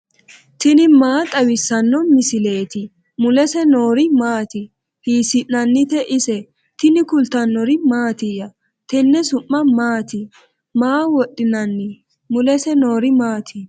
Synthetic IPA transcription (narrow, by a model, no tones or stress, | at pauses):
t̪ɪnɪmaːt̪ʼɐwɪsːɐnːɔmɪsɪle̞ːt̪ɪ | mʊlɛsɛnoːɾɪmaːt̪ɪ | hiːsɪʔːɐnːɪt̪ɛʔɪsɛ | t̪ɪnɪkʊlt̪ɐnːɔɾɪmaːt̪ɪjɐ | t̪ɛnːɛsʊmːɐmaːt̪ɪ | maːwɔɗːɪnɐnːɪ | mʊlɛsɛnoːɾɪmaːt̪ʰɪ